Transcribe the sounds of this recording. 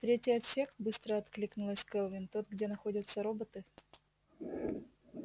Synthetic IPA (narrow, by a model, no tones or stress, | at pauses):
t̪ɾʲetʲɪjɐt̪sʲe̞xt̪bɨst̪ɾəɐt̪klʲiknʊlˠəsʲkɛlˠvʲɪnt̪ot̪̚ɡdʲenɐxo̞dʲət̪səɾobət̪ɨ